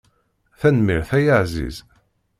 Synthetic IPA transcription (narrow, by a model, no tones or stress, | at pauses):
θænmiɾθæjaʕzḭz